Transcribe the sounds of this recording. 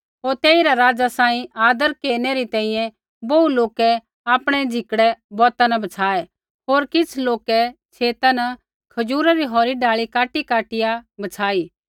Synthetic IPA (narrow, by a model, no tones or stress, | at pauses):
ɦoːɾt̪eːiɾaɾaːd͡ʒasãːĩaːd̪əɾkeːnɛɾit̪ɛ̃ːĩjɛ̃ | bouloːkɛ | aːpɽ̃ɛd͡ʒʱɪkɽɛbɔːt̪anɐbɐt͡sʰaːɛ | ɦoːɾkɪt͡sʰloːkɛt͡ʃʰeːt̪anɐ | kʰɐd͡ʒuːɾaɾiɦɔːɾiɖaːɭikaːʈikaːʈɪjabɐt͡sʰaːiː